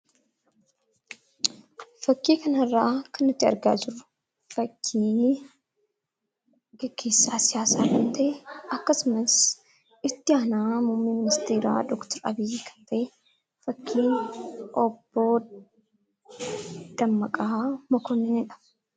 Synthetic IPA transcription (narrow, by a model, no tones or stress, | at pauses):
fɐkːiːkɐnɐrːaːkɐnːɪt̪ːɪɐ̰ɾɡa̰ːd͡ʒɪɾʊ̥ | fɐkʰːiː | ɡɛɡ̥ːe̞ːsːaːsɪjaːsaːkɐnt̪ɐʔɛɐkːɐsʊmɐs | ɪt̪ːɪaːnaːmʊmːiːmɪnɪst̪eːɾa̰ːd̪ɔkt̪ɐɾɐ̰bɪjiːkʰɐ̥nt̪ʰɐʔɛ | fɐkʰːiːʔɔbːo | d̪̥ɐmːɐkʼaːmɔkɔnːɛnɪᶑɐ̥f